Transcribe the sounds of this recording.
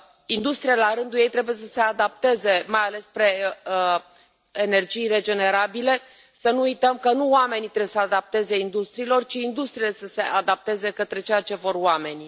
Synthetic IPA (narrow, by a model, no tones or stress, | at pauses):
ind̪ust̪ɾijalaɾɨnd̪uje̞jt̪ɾe̞bujesəse̞ad̪ap̚t̪e̞ze̞majale̞spɾe̞ | ene̞rd͡ʒijre̞d͡ʒe̞ne̞ɾabile̞ | sənuujt̪əmkənuwame̞nit̪ɾeesəad̪ap̚t̪e̞ze̞ind̪ust̪ɾiːlo̞rt͡ʃiːnd̪ust̪ɾile̞səse̞ʔad̪ap̚t̪e̞ze̞kət̪ɾe̞t͡ʃejat͡ʃe̞vo̞rwame̞nʲ